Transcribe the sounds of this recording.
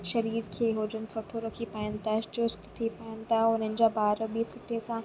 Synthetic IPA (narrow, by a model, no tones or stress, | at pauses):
ʃɐɾiːɾkʰeːɦoːd͡ʑənɪ̆soːʈʰoɾɐkʰipaːjɪnɪ̆t̪ʰat͡ɕʊst̪t̪ʰipaːɪnɪ̆t̪ʰaʊn̤ənɪ̆d͡ʑaːbaːɾbisʊʈʰesã